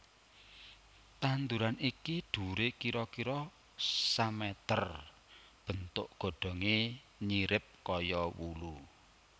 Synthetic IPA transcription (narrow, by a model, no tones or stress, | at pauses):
t̪and̪uɾanikiɖ̪̥ṳɾekiɾɔkiɾɔ | samɛt̪ər | b̥ə̤nt̪ʊ̰ʔɡ̥o̤ɖ̥ɔ̤ŋe | ɲiɾɪp̚kɔjɔwulu